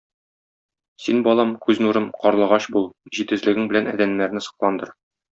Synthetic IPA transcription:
sinbɒlˠɑmkʉznuɾɤmqɒɾlˠɤ̆ʁɑɕbulˠʑit̪ɘ̆zlɘ̆ɡɘŋbɘ̆lænæ̰d̪ænːæɾnɘsɤ̆qlˠɑnd̪ɤɾ

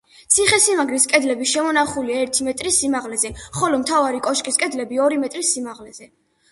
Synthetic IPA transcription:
t̪sʰiχɛsimaɡɾiskʼɛd̪lɛbiʃɛmɔnaχuliaɛɾt̪ʰimɛt̪ʼɾisimaʁlɛzɛχɔlɔmt̪ʰavaɾikʼɔʃkʼiskʼɛd̪lɛbiɔɾimɛt̪ʼɾisimaʁlɛz̥ɛ

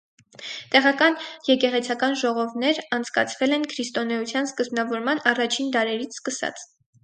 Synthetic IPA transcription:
t̪ɛʁɑkɑnjɛkɛʁɛt͡sʰɑkɑnʒɔʁɔvnɛɾɑnt͡sʰkɑ̰t͡sʰvɛlɛnkʰɾist̪ɔnɛut͡sʰjɑnskəzbnɑvɔɾmɑnɑrɑt͡ʃʰind̪ɑɾɛɾit͡sʰskəsɑ̰t͡s

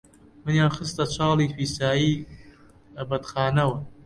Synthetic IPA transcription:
mɨnjaːnxɨst̪ɐt͡ʃʰɑːlˠiːfiːsaːjiː | bɐt̪xaːnɐwɐ

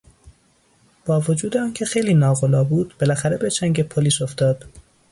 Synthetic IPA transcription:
b̥ɒːvod͡ʒuːd̪eɒːncʰe̞xejliːnɒːɣolɒːbuːd̪̥b̥elæxæɾebet͡ʃʰæŋɟepʰoliːso̞ft̪ɒːd̪̥

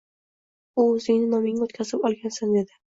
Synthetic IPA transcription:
uːzɪŋnɪnɒmɪŋot̪kʲʰazɪpɒlˠɡʲansand̪e̞d̪ɪ

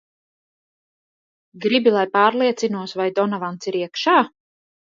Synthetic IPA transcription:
ɡɾibilˠajpaːɾlˠiɛt̪sinuɔsvajd̪ɔnavant̪siɾiɛkʃaː

